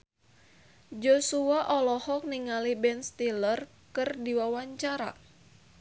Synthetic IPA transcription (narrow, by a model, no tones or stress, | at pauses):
d͡ʒosuaʔɔlɔhɔk̚niŋalibɛnst̪ilər | kɨrdiwawaɲt͡ʃaɾa̰